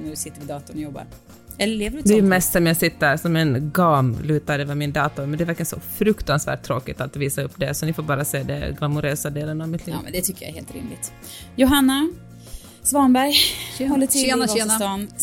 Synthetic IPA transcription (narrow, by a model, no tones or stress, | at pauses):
næɖɵsɪt̪ːəɾɪd̪ɑːt̪ʊnjɔbːa̰ɾ | ɛlːəleːvəɖd̪ɛɛmɛst̪sɛmjasɪt̪ːəɾsɔmɛnɡɑːmlʉ̟ːt̪ad̪ɛvamɪnd̪ɑːt̪ʊɾmɛnd̪ɛvæɾkənsɔ̰fɾɵkt̪ansvæ̰ːʈ̚t̪ʰːɾoːkɪt̪at̪viːsaɵpːd̪ɛsɔnɪfoːɾbɑːɾaseːd̪ɛ̰ɡɑmʊɾøːsad̪eːlənavmɪt̪ʰlḭːd̪ɛt̪ʰʏkːəja̰ɾhḛːlt̪ɾɪ̰mlɪɡt̪ | jʊɦanːa | svɑːnbæɾjhɔlːəɔɔn